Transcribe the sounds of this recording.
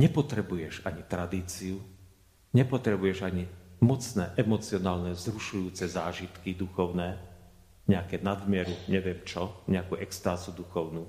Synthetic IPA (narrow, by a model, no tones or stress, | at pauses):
ɲɛpɔt̪ɾɛbujɛʒaɲit̪ɾad̪iːt͡siu | ɲɛpɔt̪ɾɛbujɛʒaɲimɔt͡snɛːʔɛmɔt͡siɔnaːlnɛzɾuʃujuːt͡sɛzaːʒit̪kid̪uxɔʊnɛː | ɲɛakɛːnad̪mɪɛɾuɲɛʋɪɛmt͡ʃɔɲɛakuʔɛkst̪aːzud̪uxɔʊnuː